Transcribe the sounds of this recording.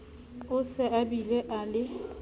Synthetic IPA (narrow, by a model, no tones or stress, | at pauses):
ʊsɪʔabileʔalɪ